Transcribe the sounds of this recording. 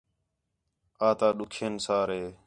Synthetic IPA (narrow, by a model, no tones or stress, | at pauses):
aːt̪aːɗʊkʰeːnsaːɾɦeː